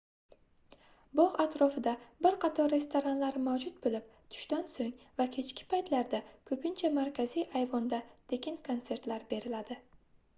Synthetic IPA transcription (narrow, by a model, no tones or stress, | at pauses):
bɒʁat̪ɾɒfɪd̪abɪɾqʰɑt̪ʰɒɾːe̞st̪ʰoɾanlaɾmawd͡ʒʊt̪̚bolɪp̚ | t̪ʰʊ̥ʃt̪ansoŋ | vakʲʰe̞t͡ʃkʲɪ̥pʰajt̪laɾd̪akʰɵpɪnt͡ʃʰamaɾkʲʰazijʔajvɒnd̪at̪ʰe̞kʲʰɪnkʰont̪se̞ɾt̪laɾbe̞ɾɪlad̪ɪ